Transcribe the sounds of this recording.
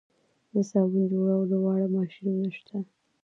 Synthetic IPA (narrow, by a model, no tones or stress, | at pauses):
d̪əsɑbind͡ʒoɽawləwɑɽamɑʃɾinəʃt̪ʰa